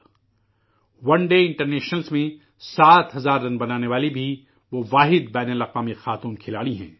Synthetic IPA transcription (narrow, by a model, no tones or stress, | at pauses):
ʋɐ̃ɳɖeːɪ̃ɳʈəɾneːʃnəlzmẽ | saːt̪ɦɐzaːɾːɐnbɐnaːneʋaːlibʱi | ʋoʋaːɦɪd̪bɛːnəlɐqʋaːmixaːt̪uːnkʰɪlaːɽiɦɛ̰̃ː